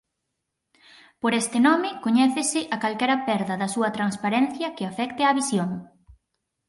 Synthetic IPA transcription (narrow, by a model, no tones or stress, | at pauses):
poɾɛst̪ɪnɔmɪkoɲɛθɪsɪʔakalkɛɾɐpɛɾðɐðɐsuɐt̪ɾanspaɾɛnθjɐkɪafɛkt̪eaβisjoŋ